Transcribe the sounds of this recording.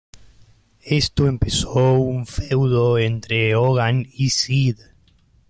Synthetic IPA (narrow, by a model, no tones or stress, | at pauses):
est̪oempesowuɱfewðoent̪ɾeoɣanisið